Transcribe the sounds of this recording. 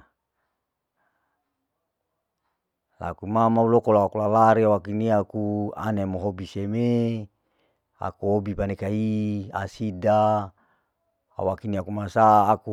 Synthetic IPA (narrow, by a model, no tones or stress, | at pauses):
la̰kumamaulokolawakulalaɾiawakiniakua̰nemoɦobiseme | a̰kuɦobipanekaia̰sida | a̰wakiniakumasaːku